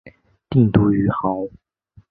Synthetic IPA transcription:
t̪i˥˩ŋt̪u˧˥y˧˥xɑ˨˧˦ʊ

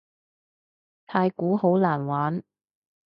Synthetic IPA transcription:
t̪ʰaː˧jkuː˨˥ho˨˥wlaː˨˩nwaː˨˥n

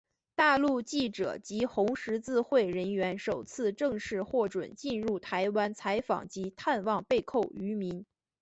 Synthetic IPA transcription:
t̪a˥˧lu˥˧t͡ɕi˥˩ʈ͡ʂɤ̰˨˩t͡ɕi˧˥xʊ˧˥ŋʂɻ̩˧˥t͡sɹ̩˥˧xwe˥˩ɪɻə˧˥nɥɛ˧˥nʂo˨˩ʊt͡sʰɹ̩˥˧ʈ͡ʂɤ˥˧ŋʂɻ̩˥˧xwɔ˥˩ʈ͡ʂwə̰˨˩˦nt͡ɕi˥˧nɻu˥˩t̪ʰa˧˥ɪwa˥nt͡sʰa˧˥ɪfɑ̰˨˩ŋt͡ɕi˧˥t̪ʰa˥˧nwɑ˥˧ŋpe˥˧ɪkʰo˥˩ʊy˧˥mi˧˥n

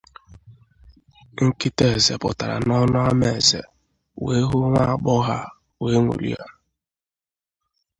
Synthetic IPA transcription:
ŋ̩˦ki˦te˨ze˨pʊ̰˨ta˨ɾa̰˨nɔ˦nʊ˦a˦me˨zḛ˨ | we˦ɦʊ˦ŋʷa˦˨ɡ͡bɔ˦ɣa˦ | we˨˦ŋʷṵ˨lḭ˦a˦

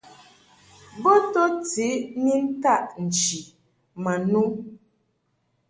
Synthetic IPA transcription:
bo˦to˦ti˨˦ni˦n̩˦ta˦˨ʔn̩˨t͡ʃi˨ | ma˨nu˦

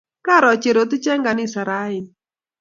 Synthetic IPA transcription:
ka˦ɾɔ˨t͡ʃe˨ɾo˨tɪ˦t͡ʃɛ˦ŋɡa˨nɪ˦˨sa˨ɾa˦ɪ˨n

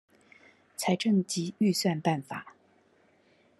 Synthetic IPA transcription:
t͡sʰa˧˥ɪʈ͡ʂɤ˥˩ŋt͡ɕi˧˥y˥˧swa˥˧npa˥˩nfa̰˨˩˦

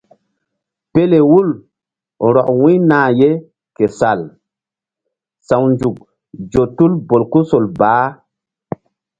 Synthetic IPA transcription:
pe˦le˨wu˦l | ɾɔ˨kwĩ˦nãː˨je˦ | ke˨sa˨l | sa˨wnd͡ʒu˨k̚ | d͡ʒo˨tu˦lbo˨lku˦so˨lbaː˨˦

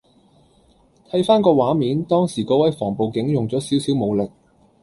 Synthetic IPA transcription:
t̪ʰɐ˨˥jfaː˥nkɔː˧waː˨˥miː˨˥nt̪ɔː˥ŋsiː˨˩kɔː˧wɐ˨˥jfɔː˨˩ŋpo˨wkɪ˨˥ŋjʊ˨ŋt͡sɔː˨˥siː˨˥wsiː˨˥wmo˨˧wlɪ˨k̚

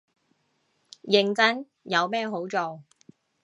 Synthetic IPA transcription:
jɪ˨ŋt͡sɐ˥n | jɐ˨˧wmɛː˥˧ɦo˨˥wt͡so˨w

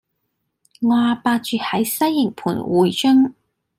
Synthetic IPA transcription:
ŋaː˨˧paː˧t͡ʃyː˨˧hɐ˨˥jsɐ˥jːɪ˨˩ŋpʰṵː˨˩nwuː˨˩jt͡ʃɵ˥ŋ

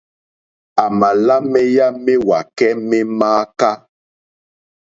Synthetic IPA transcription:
a˨ma˨la˦mɛ˦ja˦me˦wa˨kɛ˦mɛ˦maː˦ka˦

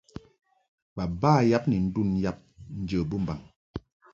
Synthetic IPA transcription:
ba˨baː˦ja˦p̚ni˨n̩˦du˦˨nja˦p̚n̩˦d͡ʒə˨bu˦m̩˨ba˨ŋ

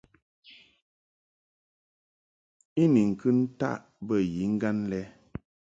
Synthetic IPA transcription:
i˦ni˨ŋ̩˨kɨ˦n̩˦ta̰˦˨ʔ | bə˦˨ji˨˦ŋ̩˦ɡa˦n˦lɛ˦

